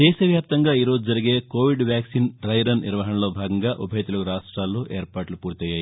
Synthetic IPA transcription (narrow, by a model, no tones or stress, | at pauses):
d̪ɛːʃɐʋjaːp̚t̪ɐŋɡaːiːɾo̞ːd͡ʒud͡ʒɐɾiɡeːkoːʋiɖʋjaːksinɾɐjɾɐnnḭɾʋɐɦɐɳɐlo̞ːbʱaːɡɐŋɡaːʔubʱɐjt̪ulɐkuɾaːʂʈɾaːlːoːʔeːɾpaːʈlupuːɾt̪ɛjaːji